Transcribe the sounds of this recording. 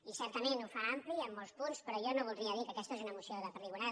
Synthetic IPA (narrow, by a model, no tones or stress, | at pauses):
isɛɾt̪əmenufaampliəmːɔlˠspunspɾɔjɔnoβ̞ulˠɾiəðikəkɛst̪əezunəmusioðəpəriɣuna